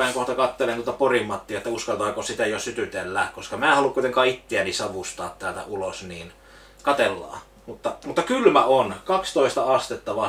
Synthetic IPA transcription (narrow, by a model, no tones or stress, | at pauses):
æeŋkoht̪ɑkɑt̪ːelent̪uot̪ɑporimːɑt̪ːiɑet̪ːæuskɑlt̪ɑːkosit̪æjosyt̪yt̪elːæːkkoskɑmæːhɑlukuit̪eŋkɑːit̪ːeænisɑʋust̪ɑ̰ːt̪t̪æːlt̪æ̰ulosniːn | kɑt̪elːɑ̰ː | mut̪ːɑmut̪ːɑkylmæonkɑkst̪oˑist̪ɑɑst̪et̪ːɑʋɑ